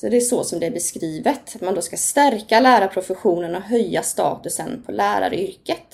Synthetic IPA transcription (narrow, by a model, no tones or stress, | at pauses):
sɔd̪ɛæʂɔsɔmd̪ɛæbɛskɾiːvət̪at̪mand̪oːskast̪æɾkalæːɾapʰɾʊfɛɧuːnənɔɦœjːast̪ɑ̰ːt̪ɵsənpʰɔlæːɾa̰ɾʏɾkət̪